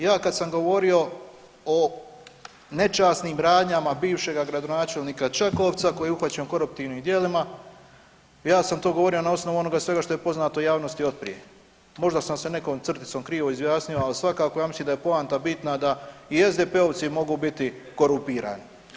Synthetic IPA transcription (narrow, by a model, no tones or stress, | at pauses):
jaːkad̪samɡo̞ʋo̞ɾio̞ | o | ne̞t͡ʃaːsnimɾaːd̪ɲamabiːʋʃe̞ɡaɡɾad̪o̞naːt͡ʃe̞lˠniːkat͡ʃakoːʋt̪sako̞jiuxʋat͡ɕemko̞ɾup̚t̪iːʋniːmd̪jelima | jaːsamt̪o̞ːɡoo̞ɾio̞nao̞sno̞ʋuo̞no̞ɡasʋe̞ɡaʃt̪o̞je̞po̞znaːt̪o̞jaːʋno̞st̪io̞t̪̚pɾḭje̞̰ | mo̞ʒd̪asamse̞ne̞koːmt̪sr̩t̪i̥t̪somkɾiːʋo̞izʋjaːsnijo̞alisʋakaːkojaːmislimnd̪aje̞poaːnt̪abit̪nad̪aie̞zd̪epe̞o̞ʋt̪simo̞ɡuːbit̪iko̞ɾumpiːɾa̰ːni